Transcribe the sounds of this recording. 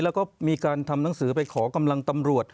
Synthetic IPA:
lɛ˦˥wkɔː˥˩miː˧kaː˧nt̪ʰa˧mna˩˦ŋsɯː˩˦pa˧jkʰɔː˩˦ka˧mla˧ŋt̪a˧mɾu˨˩ət̪̚

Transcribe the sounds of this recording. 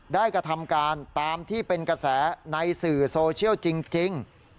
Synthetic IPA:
daː˥˩jkɾa˧t̪ʰa˧mkaː˧nt̪aː˧mt̪ʰiː˥˩pe˧nka˧sɛː˩˦na˧jsɯː˨˩soː˧t͡ɕʰi˥əwt͡ɕi˧ŋt͡ɕi˧ŋ

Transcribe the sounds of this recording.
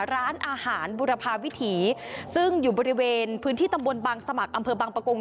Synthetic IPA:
ɾaː˦˥nʔaː˧haː˩˦nbuː˧ɾa˧pʰaː˧wi˦˥t̪ʰiː˩˦sɯ˥˩ŋjuː˨˩bɔː˧ɾi˦˥weː˧npʰɯː˦˥nt̪ʰiː˥˩t̪a˧mbo˧nbaː˧ŋsa˧ma˨˩k̚ʔa˧mpʰɤː˧baː˧ŋpɾa˧ko˧ŋ

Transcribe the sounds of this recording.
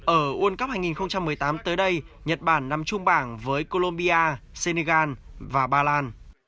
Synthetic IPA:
ʔəː˧˩ʔu˧ənkə˦˥p̚haː˧jŋi˨˩nxə˧wŋ͡mt͡ɕa˧mːɨ˨˩əjt̪aː˨˦mt̪əː˨˦jɗə˧j | ɲə˨˩t̚ɓaː˧˩nːa˨˩mt͡ɕʊ˧ŋ͡mɓaː˧˩ŋvəː˨˦jko˧lo˧mɓi˧ʔaː˧se˧ne˧ɣaː˧nvaː˨˩ɓaː˧laː˧n

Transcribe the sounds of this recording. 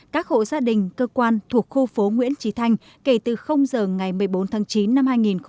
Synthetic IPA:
kaː˦˥k̚ho̰˧˨zaː˧ɗï˨˩ŋ̟kəː˧kwaː˧nt̪ʰu˨˩ək̚xu˧fo˨˦ŋwḭ˧˥ənt͡ɕi˨˦t̪ʰa˧jŋ̟ | ke˧˩t̪ɨ˨˩xə˧wŋ͡mzəː˨˩ŋa˨˩jmɨ˨˩əjɓo˨˦nt̪ʰaː˨˦ŋt͡ɕi˨˦nːa˧mhaː˧jŋi˨˩nx

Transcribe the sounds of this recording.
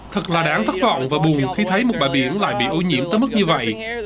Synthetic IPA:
t̪ʰɨ˨˩k̚laː˨˩ɗaː˨˦ŋt̪ʰə˦˥k̚vɔ̰˧˨wŋ͡mvaː˨˩ɓʊ˨˩ŋ͡mxi˧t̪ʰə˨˦jm̚˨˩ɓaː˨˩jɓi˧˩ənla̰ː˧˨jɓḭ˧˨ʔo˧ɲḭ˧˩əmt̪əː˨˦jm˦˥k̚ɲɨ˧və̰˧˨jʔ

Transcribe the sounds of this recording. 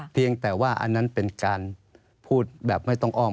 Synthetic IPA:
pʰi˧əŋt̪ɛː˨˩waː˥˩ʔa̰˧nːa˦˥npe˧nkaː˧n | pʰuː˥˩t̪̚bɛː˨˩p̚ma˥˩jt̪ɔ˥˩ŋʔɔː˥˩

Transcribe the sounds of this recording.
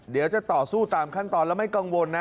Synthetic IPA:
di˩˦wt͡ɕa˨˩t̪ɔː˨˩suː˥˩t̪aː˧mkʰa˥˩nt̪ɔː˧nlɛː˦˥wma˥˩jka˧ŋwo˧nːa˦

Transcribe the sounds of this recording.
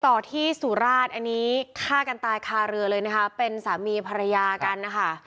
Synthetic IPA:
t̪ɔː˨˩t̪ʰiː˥˩suː˨˩˦ɾaː˥˩t̪̚ʔa˧nːiː˦˥kʰaː˥˩ka˧nt̪aː˧jkʰaː˧ɾɯ˧ɐlɤː˧jna˦˥kʰa˦˥pe˧nsaː˩˦miː˧pʰa˧ɾa˧jaː˧ka˧nːa˦˥˩kʰa˥˩

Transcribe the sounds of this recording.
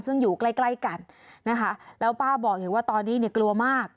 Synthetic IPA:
nsɯ˥˩ŋjuː˨˩kla˥˩jkla˥˩jka˧nːa˦˥kʰa˦˥lɛː˦˥wpaː˥˩bɔː˨˩k̚iː˨˩waː˥˩t̪ɔː˧nːiː˦˥ni˥˩əklu˧ɐmaː˥˩k̚

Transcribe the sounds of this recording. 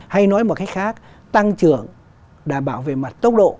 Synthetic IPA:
ha˧jnɔ˨˦jmo˨˩t̚kaː˨˦jkxaː˦˥k̚ | t̪a˧ŋt͡ɕɨ˧˩əŋ | ɗaː˧˩ɓaː˧˩wvḛ˧˨ma˨˩t̚t̪ə˦˥wk͡p̚ɗo̰˧˨

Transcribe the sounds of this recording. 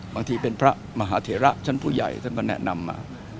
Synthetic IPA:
baː˧ŋt̪ʰiː˧pe˧npʰɾa˦˥ | ma˧ɦaː˩˦t̪ʰeː˨˩˦ɾa˦˥ʔt͡ɕʰa˥˩npʰuː˥˩ja̰˨˩jt̪ʰa˥˩nkɔː˥˩nɛ̰˦˥na˧mːa̰ː˧

